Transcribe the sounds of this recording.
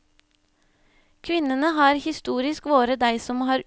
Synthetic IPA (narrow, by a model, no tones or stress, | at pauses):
kʰʋɪnənəhɑːɾhɪst̪uːɾɪskʋoːɾəd̪æɪsɔmhɑːɾ